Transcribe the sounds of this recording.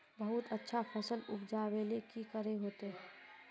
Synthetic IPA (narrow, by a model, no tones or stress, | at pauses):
bəɦʊt̪ətːʃʰapʰɛːsəlʊpʰd͡ʒaːwelekikəɾeɦoːt̪eɦɛ̃